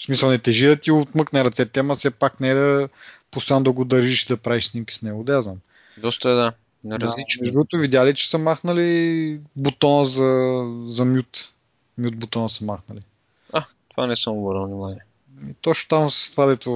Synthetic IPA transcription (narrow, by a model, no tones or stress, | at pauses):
smisɐlˠnɛt̪ɛʒid̪ɐt̪iot̪mɤknɛɾɐt̪sɛt̪ɛmɐsɛpaknɛɛd̪ɐpʊst̪oand̪ɐɡʊd̪ɐɾʒiʃid̪ɐpɾaviʃsnimkʲi̥snɛɡʊd̪ɐjaznam | d̪ɔst̪əɛd̪a | nɐɾɐlit͡ʃɛʒut̪ʊvid̪ʲjalit͡ʃɛ̥səmaxnɐli | bot̪ɔnəzɐzɐmjut̪ | mjut̪̚bot̪ɔnəsəmaxnɐli | a | t̪ovanɛsəmʊbəɾəvnimanʲiɛ | it̪ɔt͡ʃnʊ̥t̪amsə̥st̪vad̪ɛt̪ʊ